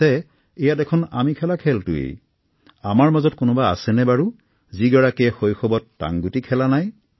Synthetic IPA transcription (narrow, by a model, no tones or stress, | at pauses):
ɛ | ɛjatɛkʰɔna̰mikʰɛlakʰɛltʊ̰ḛj | amaɹmazɔtkʊnɔba̰ːsɛnɛbaɹu | ziɡɔɹakɛɛxojxɔbɔtːa̰ŋɡutikʰɛlanaj